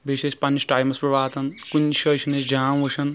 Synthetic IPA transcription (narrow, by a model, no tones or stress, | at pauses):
biʃeʃpɐnːɐsʈaːjmɐspɾɐʋaːt̪ɐnkunːʃɐʃʰɐned͡ʒaːmʋɐʃʰɐn